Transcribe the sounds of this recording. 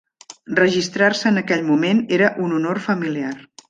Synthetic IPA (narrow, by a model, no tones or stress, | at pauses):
rəʒist̪ɾarsəːnəkɛʎmumeneɾəʔununorfəmiliar